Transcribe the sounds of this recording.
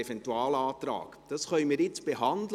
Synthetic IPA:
ɛfɛntuɑːlɑːt̪ɾɑ̰ːkd̥ɑsχœʏmiːɾjɪt͡sb̥eɦɑndl

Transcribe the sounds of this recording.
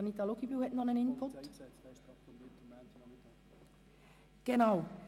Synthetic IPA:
nit̪ɑloɡibyːhɛtn̩dɑnənɪnpʰʊt̪ | ɡ̥enaʊ

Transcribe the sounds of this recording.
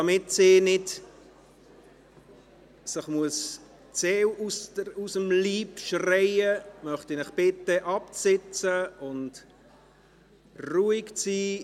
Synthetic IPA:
d̥ɑmɪtsɪːnɪt | sɪχmuəs | t͡seːwustəusəmliːpʃrɛɪəmœχtinɪχb̥ɪtəʔɑp̚sɪt͡səʊnt | ruːikt͡siː

